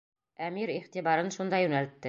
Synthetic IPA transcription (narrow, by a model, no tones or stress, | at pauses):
æmiɾiχt̪iβɑɾɤnʃund̪ɑjʉnælɘt̪ːɘ